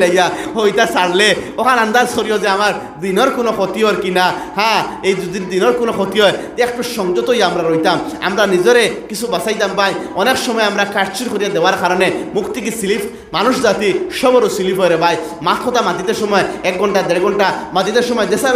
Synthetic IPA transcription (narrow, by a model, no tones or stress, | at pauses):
lajahojt̪asaɽleɔkʰanand̪azkɔɾijɔzeamaɾ | d̪inɔɾkunɔkʰɔt̪iɦɔɾkinahaejd͡ʒud̪ind̪inɔɾkunɔkʰɔt̪iɔet̪ekʰpɔʃɔŋd͡ʒɔt̪ɔɦjamɾaɾɔjt̪ama̰mɾanid͡ʒɔɾekisʰubasajt̪ambajɔneksɔmɔjeamɾakaɾt͡ʃiɾkɔɾibad̪ewaɾkaɾɔnemukt̪ikisilipʰ | manusɔzat̪iʃɔbɔɾusilipʰɔjɾebaj | mat̪ʰɔt̪amad̪ʱit̪esɔmɔeɛk̚ɡʱɔɳʈad̪eɽɡʱɔɳʈamad̪ʱit̪eɾsɔmɔed͡ʒesa